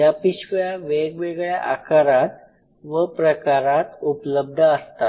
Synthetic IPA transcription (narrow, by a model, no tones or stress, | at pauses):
japiɕʋɭjaʋeɡʋeɡɭjaʔa̰kaɾat̪ | ʋəpɾəkaɾat̪upləb̚d̪ʱəəst̪a